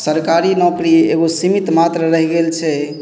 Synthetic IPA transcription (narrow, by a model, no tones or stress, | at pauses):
səɾkaɾinɔkɾiḛɡosimit̪mat̪ɾəɾəɦɡelt͡ʃʰɛ